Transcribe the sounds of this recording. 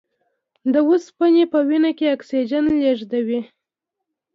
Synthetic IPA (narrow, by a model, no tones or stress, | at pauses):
d̪əwuspanepəwinakeaksid͡ʒanleʐd̪awi